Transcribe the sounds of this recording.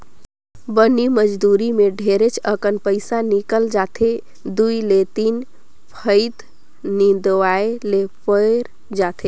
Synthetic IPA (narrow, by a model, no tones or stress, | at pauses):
bəniməd͡ʒd̪uɾimeɖʱeɾet͡ʃʰəkənpəɪsanikəld͡ʒat̪ʰe | d̪uilet̪in | pʰəɪt̪ | nid̪ʋaelepəɾ | d͡ʒat̪ʰe